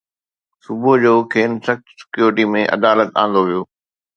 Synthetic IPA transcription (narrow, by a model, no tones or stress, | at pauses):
sʊbʊɦd͡ʑoːkʰeːnsɐxt̪sɪ̥kjuːɾɪʈimẽʔɐ̰d̪aːlət̪ãːn̆d̪oʋijoː